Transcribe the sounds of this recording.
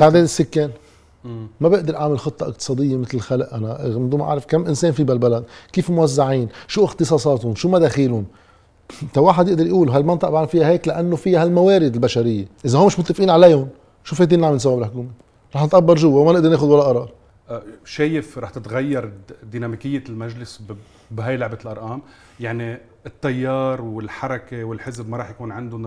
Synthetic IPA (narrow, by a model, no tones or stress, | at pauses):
baʕd̪eːnɪsːʊkːeːn | mabɪʔd̪ɪɾˤʔaʕmɪlxɨt̪ˤːɑʔɪqt̪ɨ̥sˤɑːd̪ɪjːemɪt̪lxalʔʔanamɪd̪uːmaʔa̰ʕɾɪfkamːʔɪnseːnfibalbalad̪kiːfmʊwazːaʕiːnʃuːʔɪxt̪ɨsˤɑːsˤɑːt̪hʊnʃuːmad̪eːxiːlʊn | t̪awaːħad̪jɪʔd̪ɑɾjʔuːlɦalmɑnt̪ˤɑʔbaʕlafɪjaheːklaʔanːofɪjːahalmaweːɾɪd̪ɪlbaʃaɾɪjːeʔɪzahoːmɪʃmʊt̪ːɪfʔiːnʕaleːjhʊn | ʃuːfet̪iːnaʕamnsawːabɪlħʊkuːme | ɾˤɑːħnɪt̪ʔabːɑɾˤʒʊwːawmanɪʔd̪ɑɾneːxʊd̪walːaʔɑɾˤɑːɾˤ | ʃeːjɪfɾˤɑːħt̪ɪt̪ɣajːɑɾˤd̪iːnamikɪjːelmaʒlɪs | bɦajlʊʕbɪlʔɑɾˤʔɑːm | jaʕni | ɪt̪ːɑjːɑːɾˤwɪlħɑɾˤɑkewɪlħɪzbmaɾˤɑːħjakuːnʕɪnd̪ʊn